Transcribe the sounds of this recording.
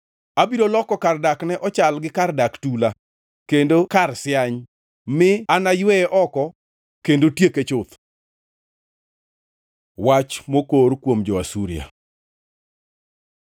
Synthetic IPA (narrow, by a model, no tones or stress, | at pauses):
abiɾolɔkɔkardaknɛʔɔt͡ʃalɡɪkardaktula | kendokarsɪaɲ | mɪanajwɛʔɔkɔ | kendotjeket͡ʃʊt̪ | wat͡ʃmokoɾkwomd͡ʒɔasuɾja̰